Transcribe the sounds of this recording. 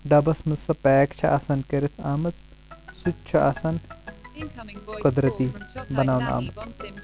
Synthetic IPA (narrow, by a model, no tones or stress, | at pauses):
ɖɐbɐsmɨsɐpɛːkt͡ʃʰɐʔasɐnkɐɾit̪ʰaːmɐt͡s | sut̪t͡ʃʰuʔasɐn | kɐd̪ɾɐt̪ibɐnaːwna̰ːmɐt͡s